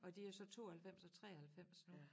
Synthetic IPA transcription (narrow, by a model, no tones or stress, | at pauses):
ɒ̽d̥iæɐsɒ̽t͡sʰo̝̰ːɐhælfem̰sɒ̽t͡sʰʁɛ̰ːɐhælfem̰sno